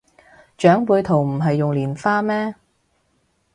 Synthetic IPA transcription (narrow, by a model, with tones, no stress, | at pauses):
t͡ʃœː˨˥ŋpuː˨˧jt̪ʰo˨˩wm̩˨˩ɦɐ˨jːʊ˨ŋliː˨˩nfaː˥mɛː˥